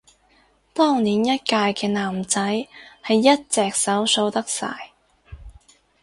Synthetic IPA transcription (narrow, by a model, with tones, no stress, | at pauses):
t̪ɔː˥ŋniː˨˥njɐ˥t̚kaː˧jkɛː˧naː˨˩mt͡sɐ˨˥jhɐ˨jːɐ˥t̚t͡sɛː˨k̚sɐ˨˥wso˧wt̪ɐ˥k̚sa̰ː˨˩j